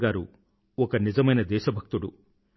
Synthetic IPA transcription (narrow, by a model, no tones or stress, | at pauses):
ɡaːɾu | ɔkɐnid͡ʒɐmɐjnɐd̪ɛːʃɐbʱɐk̚t̪uɽu